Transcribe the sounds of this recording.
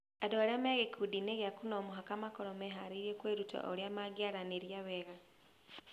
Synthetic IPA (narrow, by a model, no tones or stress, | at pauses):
adoaɾameɣekʰudineɣeakunoːmuɦakamakoɾomeɦaɾiɾiekweɾuta̰ʔoɾjamaɡjaɾaneɾjaβeɣa